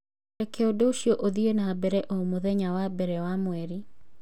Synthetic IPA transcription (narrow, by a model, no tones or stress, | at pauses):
ɛkʰɛodoʃjoʔoðienabɛɾɛʔomoðɛɲawabɛɾɛwamwɛɾi